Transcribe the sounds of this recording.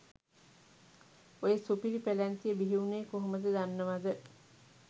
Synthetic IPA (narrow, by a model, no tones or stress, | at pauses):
ojəsupiɾipelænt̪ijəbiɦiuneːkoɦoməd̪əd̪anːəʋad̪ə